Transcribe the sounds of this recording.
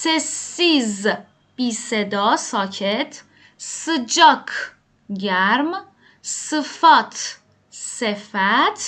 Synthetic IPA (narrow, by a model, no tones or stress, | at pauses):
sesiz | b̥iːsed̪ɒːsɒːcʰet̪ʰ | sɨd͡ʒɒkʰ | ɟæɾm | sɨfat̪ʰ | sefæt̪ʰ